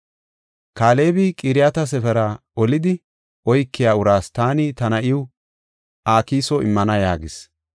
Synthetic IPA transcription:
kaːle̞ːbikʼɪɾɪjat̪ɐsɛfɛɾɐ | ɔlɪd̪ɪ | ʔɔjkːɪjaːʊɾaːst̪aːnit̪ɐnɐʔɪʊ | ʔaːkiːsɔɪ̰mːɐnɐjaːɡɪs

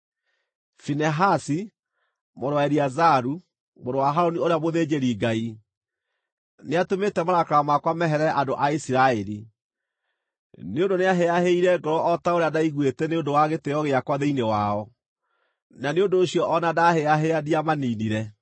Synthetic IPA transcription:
finɛɦasi | moɾwaɛɾiazaɾu | moɾowaɦaɾonioɾeamoðed͡ʒeɾiːɡai | neatometɛmaɾakaɾamakwamɛɦɛɾɛʔadoʔaisiɾaɛɾi | neondoneaɦeaɦeiɾɛɡɔɾɔʔɔtaoɾeadaiɣwetɛneondowaɣeteɔɣeakwaðeinewaɔ | naneondoːɕiɔʔːnadaheaɦeadiamaniːniɾɛ

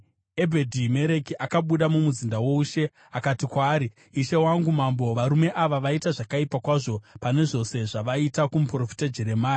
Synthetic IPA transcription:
e̞bʱedʱime̞ɾe̞kiʔakaɓuɗamumuzindawo̞uʃe̞ | akatikwaːɾi | iʃe̞waŋɡumambo̞ʋaɾume̞ʔaʋaʋaitaʐakaipakwaʐo̞pane̞ʐo̞se̞ʐaʋaitakumupro̞fi̥tad͡ʒeɾe̞maːja

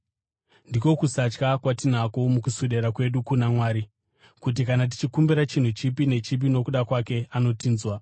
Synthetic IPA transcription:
ndiko̞kusat͡ʃkakwatin̤akomukusuɗe̞ɾakwe̞ɗukunamwaːɾi | kut̬ikanat̬i̥t͡ʃikumbiɾat͡ʃin̤ut͡ʃip̬ine̞t͡ʃip̬ino̞kuɗakwake̞ano̞tiːnzwa

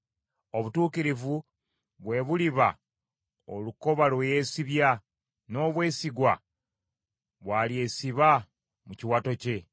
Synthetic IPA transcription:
o̞βutuːkiɾivu | βwe̞βuliβa | o̰luko̞βalweje̞ːsiβja | no̞ːβwe̞ːsiɡwa | βwaːlie̞ːsiβa | muciwato̞ce̞

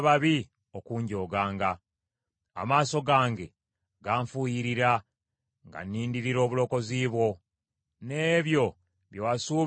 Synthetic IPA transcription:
βaβi | okuːɲɟo̞ːɡaːŋɡa̰ː | maːso̞ɡaːŋɡe̞ | ɡaːɱfujiɾiɾa | ŋɡa̰nːiːndiɾiɾo̞ːβulo̞ko̞ziːβwo̞ | ne̞ːβjo̞ | βjowasuː

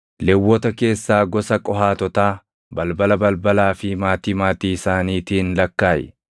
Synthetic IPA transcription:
lɛwːɔt̪ɐke̞ːsːaːɡɔsɐkʼɔɦaːt̪ɔt̪aː | bɐlbɐlɐbɐlbɐlaːfɪmaːt̪iːmaːt̪iːɪsaːniːt̪iːnlɐkːaːjɛ̰

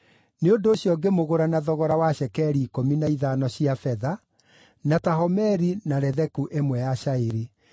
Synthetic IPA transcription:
neondoːɕjɔɡemoɣoɾanaðɔɣɔɾawaɕɛkɛɾiːkominaiðaːnɔɕiafɛða | nataɦɔmɛɾinaɾɛðɛkuʔemwɛjaʃaeɾi

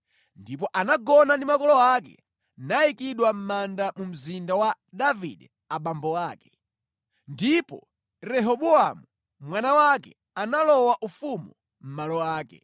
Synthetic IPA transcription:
ndip̬ɔʔanaɡɔnandimakɔlɔakɛ̰ | naikiɗwam̩mandamum̩zindawa | davḭɗɛ | aɓambɔaːkɛ̥ | ndipɔ̰ | rɛɦɔɓuamu | mwanawakɛ̰ | analɔwaʔufumu | m̩malɔaːkɛ̰

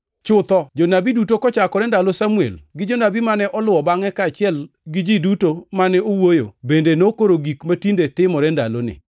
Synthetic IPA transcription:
t͡ʃʊt̪ɔd͡ʒonabidutokɔt͡ʃakɔɾɛndalosamuḛlɡɪd͡ʒonabimanɛʔɔlʊwɔbaŋɛkaːt͡ʃɪɛl | ɡɪd͡ʒidutomanɛowojo̰bendenokoɾoɡikmatindetɪmɔɾɛnda̰lo̰nɪ̰

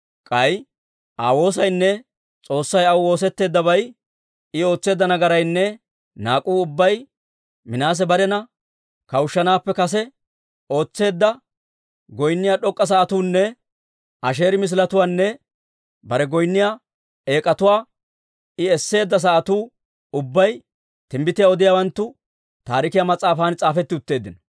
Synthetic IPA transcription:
kʼɐj | ʔaːwo̞ːs̬ɐjnːɛ | t͡sʼo̞ːsːɐjɐwʊwo̞ːs̬ɛt̪ːe̞ːd̪ːɐbɐj | ɪo̞ːt͡sːe̞ːd̪ːɐnɐɡɐɾɐjnːɛ | naːkʼuːʊbːɐj | mɪnaːs̬ɛbɐɾɛnɐ | kɐwʊʃːɐnaːpːɛkɐs̬ɛ | o̞ːt͡sːe̞ːd̪ːɐ | ɡɔjnːɪjaːɗɔkʼːɐs̬ɐːʔɐt̪uːnːɛ | ɐʃ̬e̞ːɾɪmɪs̬lɐt̪ʊwaːnːɛ | bɐɾɛɡɔjnːɪja | e̞ːkʼɐt̪ʊwaː | ɪɛsːe̞ːd̪ːɐs̬ɐʔɐt̪uː | ʊbːɐj | t̪ɪmbɪt̪ɪjaɔd̪ɪjaːwɐnt̪ːʊ | t̪aːɾɪkɪjamɐt͡sʼaːfaːnt͡sʼaːfɛt̪ːɪʊt̪ːe̞ːd̪ːɪnɐ

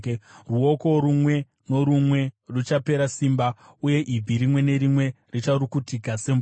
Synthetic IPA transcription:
ruo̞ko̞ɾumwe̞ | no̞ɾumwe̞rut͡ʃape̞ɾasimbauje̞ʔib͡viɾimwe̞ne̞ɾimwe̞ | rit͡ʃaɾukutikase̞mb

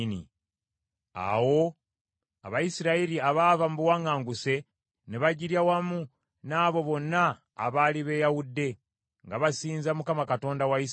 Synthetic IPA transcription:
nḭ | a̰wo̞ | a̰βajisiɾaiɾiaβavamubuwaŋaːŋɡuse̞ | neβaɟiɾjawamu | naːβo̞βo̞nːa̰ː | βaliβe̞jawudːe̞ | ŋɡaβasiːnzamukamakato̞ːndawaji

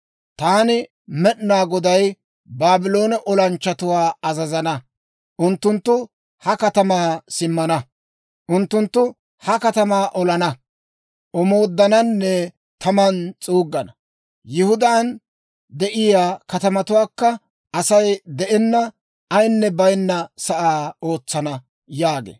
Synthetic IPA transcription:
t̪aːnɪ | mɛɗnaːɡɔd̪ɐj | baːbɪlo̞ːnɐʔɔlɐnt͡ʃːɐt̪ʊwaːɐzɐzɐnɐ | ʔʊnt̪ːʊnt̪ːʊ | hɐkɐt̪ɐmaːsɪmːɐnɐ | ʔʊnt̪ːʊnt̪ːʊ | hɐkɐt̪ɐmaːʔɔlɐnɐ | ʔɔmo̞ːd̪ːɐnɐnːɛ | t̪ʰɐmɐnt͡sʼuːɡːɐnɐ | jɪhʊd̪aːn | d̪ɛʔɪjaːkɐt̪ɐmɐt̪ʊwaːkːɐ | ɐsɐjd̪ɛʔɛnːɐ | ɐjnːɛbɐjnːɐsɐʔaːo̞ːt͡sːɐnɐ | jaːɡḛː

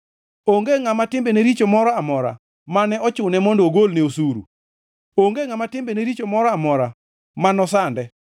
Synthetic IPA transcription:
oŋɡeŋamatɪmbeneɾit͡ʃomɔɾɔamɔɾa̰ | manɛɔt͡ʃʊnɛmɔndɔɡolneosuɾṵ | oŋɡeŋamatɪmbeneɾit͡ʃomɔɾɔamɔɾa | manɔsandɛ

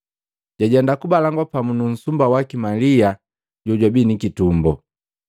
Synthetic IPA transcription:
ɟ̥aɟɛndakubalaŋɡwapamunun̩sumbawakimalia | ɟɔɟwabinikitumbɔ̰

